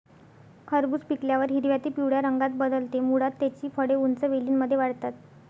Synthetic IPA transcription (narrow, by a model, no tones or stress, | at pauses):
kʰəɾbuːspikljaʋəɾɦiɾʋjat̪iːpiwɽjaɾəŋɡat̪̚bəd̪əlt̪emuɽat̪ːat͡ɕiːfəɽeunt͡səʋeliːnməd̪ʱjeʋaɽt̪at̪